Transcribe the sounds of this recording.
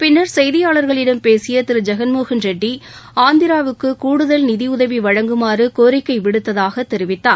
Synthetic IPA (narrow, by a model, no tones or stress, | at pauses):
pɪnːɐɾsɛjðɪjaːɭɐɾɣɐɭɪɽɐmpeːsɪjɐt̪ɪɾɯd͡ʒɐɣɐnmoːɣɐnd͡ʒɛɖːiaːnd̪ɪɾaːʋɯkːɯkuːɽɯðɐlnɪðiʊðɐʋiʋɐɻɐŋɡɯmaːrɯkoːɾɪkːɐɪʋɪɽɯt̪ːɐðaːɣɐt̪ːɛɾɪʋɪt̪ːaːn